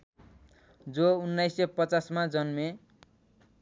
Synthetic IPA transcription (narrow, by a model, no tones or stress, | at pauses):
d͡zounːajsʌpʌt͡sasmad͡zʌnme